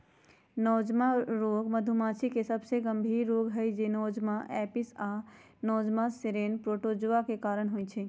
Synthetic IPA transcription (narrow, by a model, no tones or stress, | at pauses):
nɔd͡ʒmaɾoɡməd̪ʱumãːt͡ʃʰikesəbseɡəmbʱiɾːoɡɦəjd͡ʒenɔːd͡ʒmaʔɛpisa | nɔːd͡ʒmaseɾenpɾoʈod͡ʒʋakekaɾəɽ̃ɦojt͡ʃʰɛ